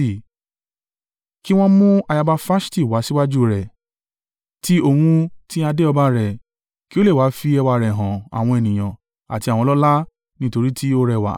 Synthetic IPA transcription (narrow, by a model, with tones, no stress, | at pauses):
ki˦w̃ɔ̃˦mũ˦a˧ja˧ba˧fa˦sti˦˨wa˨˦si˦wa˦d͡ʒu˦˨ɾɛ˨ | ti˦o˧hũ˧ti˦a˧de˦ɔ˧ba˧˦ɾɛ˨ | ki˦o˦le˦˨wa˨˦fi˧ɛ˧wa˧ɾɛ˨ɦã˨a̰˨w̃ɔ̃˧e˨nĩ˨j̃ã˨ | a̰˨ti˧a˨wɔ̃˧lɔ˦la˦ | nĩ˦to˧ɾi˦ti˦o˦ɾɛ˧˨wa̰˨˦˨